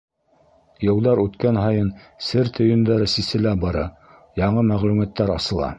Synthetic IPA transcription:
jɤ̆lˠd̪ɑɾʉt̪kænɦɑjɤn | sɘɾt̪ʰɵ̆jɵ̆nd̪æɾɘsisɘ̆læbɑɾɑ | jɑɴɤmæʁlʉmæt̪ːæɾɑsɤ̆lˠɑ̰

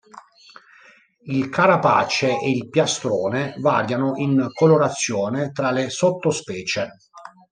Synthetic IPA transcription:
ilkʰaɾapa̰ːt͡ʃeʔeilpjast̪ɾɔːneva̰ːɾjanoʔinkoloɾat̪sːjɔːnet̪ɾalesot̪ːospɛːt͡ʃe

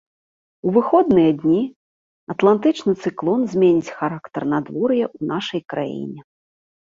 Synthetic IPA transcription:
uvɨxɔd̪̚nɨjɐd̪ʲnʲi | ɐt̪lˠant̪ɨt͡ʂnɨt̪sɨklˠɔnzʲmʲenʲit͡sʲxaɾakt̪ɐrnad̪vɔɾjɛʔunaʂɐjkɾa̰jḭnʲɛ

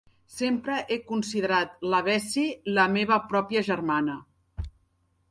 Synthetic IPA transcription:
sempɾəʔekunsiðəɾat̪ləβ̞ɛsiləmeβ̞əpɾɔpjəʒərmanə

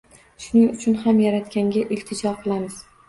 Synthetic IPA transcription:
ʃʊnɪŋʊt͡ʃʰʊnhamjaɾat̪kʲaŋɡʲaʔɪlt̪ʰɪd͡ʒɒqʰɨlˠamɪz̥

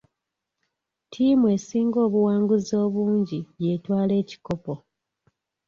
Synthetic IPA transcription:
tʰiːmwe̞ːsiːŋɡo̞ːβuwaːŋɡuzo̞ːβuːɲɟiβje̞ːtwaːle̞ːci̥ko̞po̞

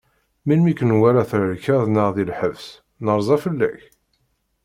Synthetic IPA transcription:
milmikənwæɾæθɾəɾkəðˤnəʁðilħəvs | nəɾˤzˤɑfəlːæ̰ç

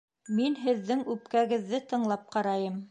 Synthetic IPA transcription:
minɦɘ̆ðːɘŋʉpkæɡɘ̆ðːɘt̪ɤ̆ɴlˠɑp̚qɑɾɑjɤm

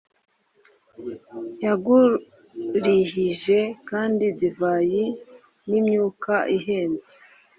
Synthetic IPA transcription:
jaɡu | ɾihiʒe̞kaːndizivaːji | nimɲuːkaʔiɦe̞ːnzi

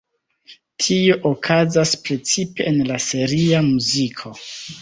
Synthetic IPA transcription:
tʰio̞ʔokʰazaspɾe̞t͡sipe̞ːnlase̞ɾiamuzikʰo̞

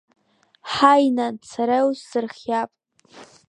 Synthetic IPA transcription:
ħajnat͡sʰaɾawzsɨrχʲjapʼ

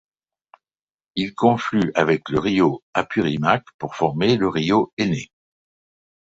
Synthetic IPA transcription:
ilkɔ̃flyavɛkləʁijoapyʁimakpuʁfɔʁmeləʁijoene

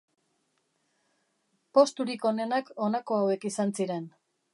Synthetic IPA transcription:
po̞st̪uɾiko̞ne̞nako̞nako̞awe̞kisansiɾe̞n

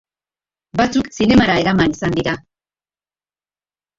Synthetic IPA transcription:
bat͡suksine̞maɾae̞ɾamanisand̪iɾa

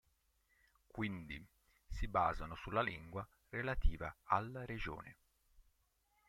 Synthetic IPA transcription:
kwind̪i | siba̰ːzanosulːaliŋɡwa | relat̪iːvaalːɾed͡ʒo̰ːne

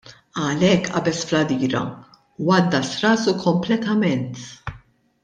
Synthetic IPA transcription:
ɐlɛkːʔɐ̰bɛsflɐd̪iːɾɐ̰ | wɐd̪ːɐsɾɐːsukʰɔmplɛt̪ɐmɛnt̪

